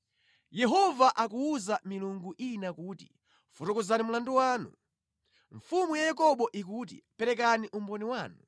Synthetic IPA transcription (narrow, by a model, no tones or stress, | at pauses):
jɛɦɔvaʔakuuzamiluŋɡuʔinakuːti̥̰ | futɔkuzanimulanduwaːnu | ɱfumujajakɔɓɔʔikut̬ḭpɛɾɛkaniʔumbɔniwaːnu